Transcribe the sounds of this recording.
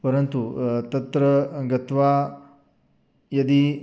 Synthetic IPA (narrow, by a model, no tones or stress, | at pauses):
pəɾənt̪ut̪ɐt̪ɾəɡɐt̪ʋa | jɐd̪i